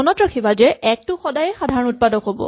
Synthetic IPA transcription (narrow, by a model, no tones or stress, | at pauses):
ɔnɔtɹakʰibazɛɛk̚tʊxɔdajɛxadʱaɹɔnut̚padɔkɦobɔ̰